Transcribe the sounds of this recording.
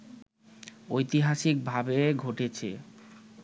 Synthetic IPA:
ojt̪iɦaʃik̚bʱabeɡʱoʈet͡ɕʰḛ

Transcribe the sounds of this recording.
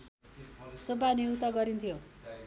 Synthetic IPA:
sobaniut̪ʌɡʌɾint̪ʰijo

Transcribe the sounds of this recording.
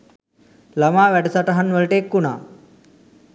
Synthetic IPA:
lɐmaːʋɛɖsaʈɐɦɐnʋəlʈeːkːuna̰ː

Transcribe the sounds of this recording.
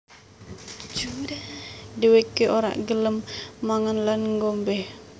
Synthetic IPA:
d͡ʒ | diwekeʔoɾa̰ʔɡələmːaŋənlanŋɡombɛh

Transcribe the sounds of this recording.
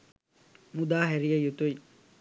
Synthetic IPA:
mud̪aːɦeɾijɐjut̪ui

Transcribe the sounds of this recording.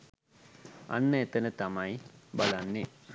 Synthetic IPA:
a̰nːəet̪ənət̪amajbalanːe

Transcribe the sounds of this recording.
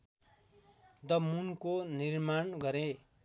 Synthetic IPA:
d̪ʌmunkonirmanɡʌɾẽ

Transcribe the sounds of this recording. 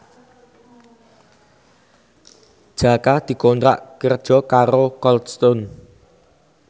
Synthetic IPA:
d̥ʒ̥a̤kad̪̥i̤kont̪ɾa̰ʔkərd̥ʒ̥ɔ̤kaɾokɔlst̪ɔn

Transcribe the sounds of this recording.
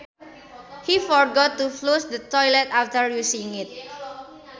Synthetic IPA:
hifɔɹɡɔt̪ːuflusdət̪ɔjlɛt̪aft̪əɹjusĩŋɪt̪̚

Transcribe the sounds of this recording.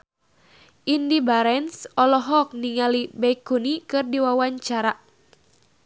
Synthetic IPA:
ʔindibaɾɛnsɔlɔɦɔk̚niŋalibɛjkunikɨrdiwawaɲt͡ʃaɾaʔ

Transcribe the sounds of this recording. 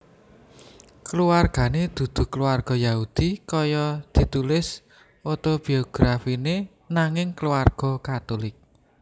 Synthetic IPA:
kəluarɡ̥a̤ned̪̥ṳd̪̥ṳkəluarɡ̥ɔ̤jaud̪̥ikɔjɔd̪̥i̤t̪ulɪs | ot̪ob̥i̤oɡ̥ɾafine | naŋɪŋkəluarɡ̥ɔ̤kat̪olɪk̚

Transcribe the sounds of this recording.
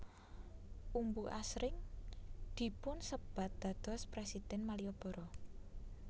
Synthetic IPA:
ʔumbuʔasɾɪŋ | d̪̥i̤pʊnsəb̥ä̤t̪̚d̪̥ä̤d̪̥ɔ̤spɾesid̪̥ɛnmaliɔb̥ɔ̤ɾɔ

